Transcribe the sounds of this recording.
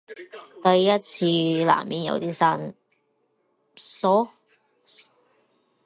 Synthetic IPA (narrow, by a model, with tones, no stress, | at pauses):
t̪ɐ˨˧jːɐ˥t̚t͡sʰiː˧la̰ː˨˩mmiː˨˥njɐ̰˨˧wt̪iː˥sa˥n | sɔː˨˥